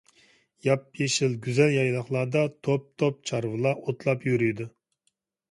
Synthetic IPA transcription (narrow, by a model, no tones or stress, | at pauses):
jɑp̚jeʃɪlɡʲyzɛljɑjlˠɑχlˠɑd̪ɑt̪ʰop̚t̪ʰop̚t͡ʃʰɑɾvɨlˠɑʔot̪lˠɑpjyɾyjd̪u